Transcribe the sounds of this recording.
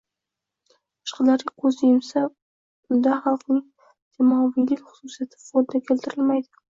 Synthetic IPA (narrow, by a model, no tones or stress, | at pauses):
ɨ̥ʃqɨlaɾɪqʰozjemsa | bʊnd̪aχɑlˠqnɪŋ | t̪ʰemɒvilɪkʲχʊ̥susijat̪ʰɪ̥folɪd̪akʲʰelt̪ʰɪɾɪlmajd̪ɪ̥